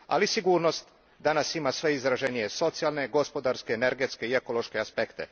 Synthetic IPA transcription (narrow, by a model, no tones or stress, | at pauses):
a̰lisiɡuːɾno̞st̪ | d̪anasimasʋe̞izɾaʒenijeso̞t̪sijalˠne̞ɡo̞spo̞d̪aɾskeːneɾɡe̞t̪ske̞ie̞ko̞lˠo̞ʃke̞aspe̞kt̪e̞̰